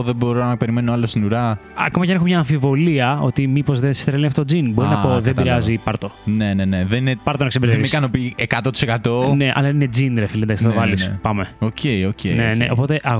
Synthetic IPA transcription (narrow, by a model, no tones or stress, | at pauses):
ðebo̞ɾonɐɐpe̞ɾime̞noɐlost̪inuɾɐɐ̰komɐcenexomɲɐːɱfivo̞liɐo̞̰t̪imipo̞zðensst̪ɾelinɐft̪ot̪od͡zinbo̞inɐpoððebiɾiɐzipɐɾt̪o̞neneneðeninepɐɾt̪onɐksebeɾθevimiskɐnopiekɐt̪ot̪i̥sekɐt̪o̞ne̞ʔɐ̰lɐined͡zind̪ɾefilðnd̪ɐksθðvɐlispɐmeoceiocenenḛʔo̞po̞t̪e̞ʔɐɣ